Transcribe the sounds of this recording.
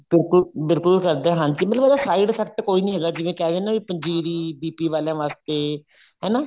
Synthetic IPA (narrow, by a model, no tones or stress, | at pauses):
b̥ɪlkʊlbɪlkʊlkəɾd̪eːɦãːɲd͡ʒiːmət̪ləbːd̪aːsaːiɖsəkt̪ːkoːiːnĩːɦeːɡaːd͡ʒɪʋẽːkɛːd̪ẽːnãːʋiːpə̃ɲd͡ʒiːɾiːbiːpiːʋaːlãːʋaːst̪eː | ɦɛːnaː